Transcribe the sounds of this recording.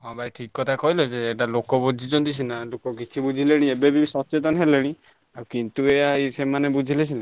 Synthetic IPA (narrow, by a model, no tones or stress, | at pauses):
ɦɔ̃baiʈʰikːɔt̪ʰakɔɦiled͡ʒeːʈalokɔbud͡ʒʱid͡ʒɔnd̪isʰinalokɔkit͡ʃʰibud͡ʒʱileɽ̃iebebisɔt͡ʃet̪ɔnɔɦeleɽ̃i | aɾukint̪uejaisemanebud͡ʒʱilesʰina